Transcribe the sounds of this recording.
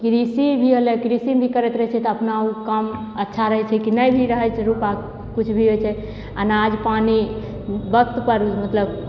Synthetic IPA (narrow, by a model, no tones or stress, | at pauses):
kɾisibʱiɦəlɛkɾisibʱikəɾɛt̪ɾəɦɛt͡ʃʰɛt̪ɔəpnaukəm | ətːʃʰaɾəɦɛt͡ʃʰɛkinəjbʱiɾəɦəjt͡ʃʰɛɾupa | kut͡ʃʰbʱiɦojt͡ʃʰɛ | a̰nad͡ʒpani | bəkt̪pəɾmət̪ləb